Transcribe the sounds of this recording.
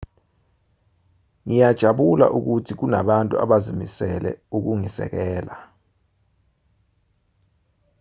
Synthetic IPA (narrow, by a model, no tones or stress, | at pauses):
ŋijad̥ʒ̥ʱaɓula̰ʔuk̬utʰik̬unaɓantʼua̰ɓazimisɛlɛ̰uk̬uŋisɛ̰k̬ɛːla